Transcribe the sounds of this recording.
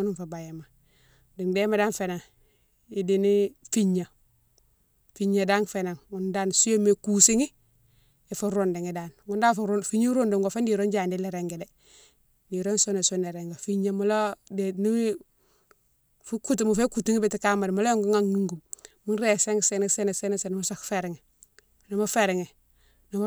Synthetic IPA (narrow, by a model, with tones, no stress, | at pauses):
u˦nu˦nfa˨ba˨je˨ma˨ | di˨ŋde˦ma˨da˦nfe˨na˨ŋ | idi˨ni˦fi˦ɲa˨ | fi˦ɲa˨da˦ŋfe˨na˨ŋŋu˦nda˦nsu˦je˦me˨ku˨si˦ŋi˦ | i˨fu˦ɾunde˨ŋi˨da˨nŋu˦ndaː˦ffi˦ɲu˦ɾu˦ndu˨ŋɡo˨fe˦ndi˨ɾo˦nd͡ʒaː˨ndi˦le˨ɾe˨ŋɡe˨de˨ | di˨ɾo˦nsu˦ne˨sune˨ɾe˨ŋɡe˨fi˦ɲa˦mu˦lo˦de˨ni˦wi˦ | fu˦ku˦ti˨mu˨fe˦ku˨ti˦ŋi˦be˨ti˨ka˦ma˨dmo˦lo˦jo˦ŋɡo˦ŋa˦ŋːu˦ŋɡu˨mmu˦nɾe˨se˦ŋse˦ne˦se˦ne˨se˦ne˦se˨n˦mu˦sa˨kfe˨ɾe˨ŋɛ˨ | no˨ma˦fe˨ɾɛ˨ŋe˨ | no˨m˦